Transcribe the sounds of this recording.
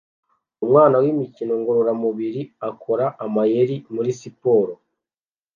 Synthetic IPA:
umŋaːnawimicino̞ŋɡoɾoɾamuβiɾiakʰo̞ɾaʔamajeɾimuɾisipo̞ːɾo

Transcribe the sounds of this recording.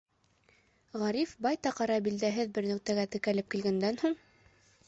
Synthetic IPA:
ʁæɾifbɑjt̪ɑqɑɾɑbild̪æɦɘðbɘɾnɵ̆q̚t̪æɡæt̪ɘ̆kælɘp̚kilɡænd̪ænhuɴ

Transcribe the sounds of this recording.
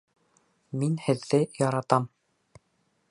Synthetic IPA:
minhɘ̆ðːɘjɑɾɑt̪ɑm

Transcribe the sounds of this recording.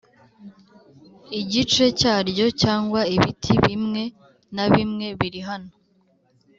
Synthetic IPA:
iɟit͡ʃe̞caːɾɟo̞caːŋɡwaiβitʰiβimŋe̞ | naβimŋe̞βiɾiɦano̞

